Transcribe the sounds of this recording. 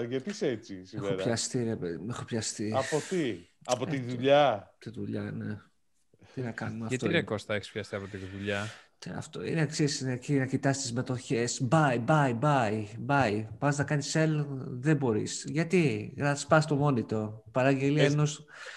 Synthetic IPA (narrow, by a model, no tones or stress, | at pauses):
ʝɐt̪iset͡sisiemxeoɾçɐst̪iɾepeðimexo̞pçɐst̪iɐpot̪iɐpot̪iðuʎɐt̪iðuʎɐne | t̪inɐkɐnumeɐɐt̪oiɾekost̪ɐeçi̥spçɐst̪iɐpo̞t̪iðuʎɐt̪iɐ̰ft̪o̰ḭneɐksisnecinɐcit̪ɐsi̥st̪izme̞t̪o̞çe̞sbɐjbɐjbɐibɐjpɐznɐkɐniselðebo̞ɾḭsʝɐt̪iɣnɐspɐst̪o̞mo̞nit̪o̞pɐɾɐɲɟe̞liɐeno̞s